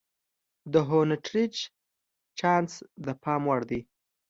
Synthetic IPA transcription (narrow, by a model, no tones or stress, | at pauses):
d̪əɦonaʈɾid͡ʒ | t͡ʃɑnsd̪əpɑmwaɽd̪i